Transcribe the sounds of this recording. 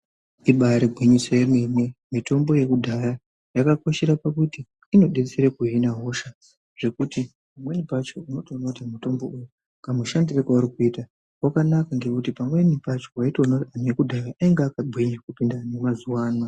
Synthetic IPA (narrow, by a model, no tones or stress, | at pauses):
iɓaɾeɡʱwiɲiseememwe̞mito̞mbo̞je̞kudʱaja | jakako̞ʃeɾapakutiː | no̞ɗet͡seɾekuɦinaɦo̞ʃa | ʐ̥e̞kuti | pamwe̞nipat͡ʃo̞unotounotamuto̞mbo̞ʔuju | kamuʃandirekwauɾikuiːta | wakanakaŋɡe̞kutipamwe̞nipat͡ʃo̞waitounoianujekudʱajaʔaiŋɡaːkabʱwiɲakupindanemazuwaːnwa